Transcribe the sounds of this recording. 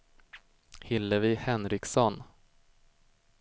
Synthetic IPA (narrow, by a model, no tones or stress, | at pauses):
hɪlːəvɪhɛnɾɪksɔn